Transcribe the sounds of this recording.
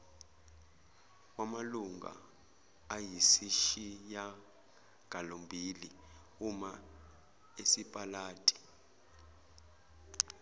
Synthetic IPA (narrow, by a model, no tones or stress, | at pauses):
wamaluŋa̰ː | jisiʃija | ɡ̥ʱalombʱili | uma | esipʼalaːtʼi̥